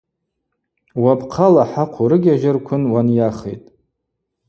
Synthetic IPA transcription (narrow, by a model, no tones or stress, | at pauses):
wapʰqʰalaħaqʷʰʊɾɨɡʲaʒɪrkʷʰʊnwanjaχḛjtʼ